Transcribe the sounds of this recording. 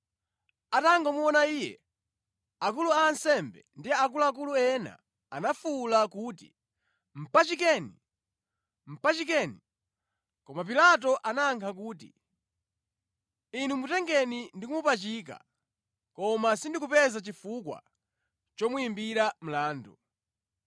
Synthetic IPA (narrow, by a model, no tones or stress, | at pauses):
ataŋɡɔmuɔnaiːjɛ̰ | ak̬uluaːnsɛmbɛ̰ndiak̬ulak̬uluɛna̰ | a̰nafulakuːtḭ | m̩pat͡ʃik̬ɛːni | m̩pat͡ʃik̬ɛni | kɔmap̬ilat̬ɔʔanaːŋkʰak̬uːt̬ḭ | inumutɛŋɡɛnindikumupat͡ʃiːk̬a̰ | kɔmasindikupɛzat͡ʃifukwa̰ | t͡ʃɔmuimbiɾam̩laːndu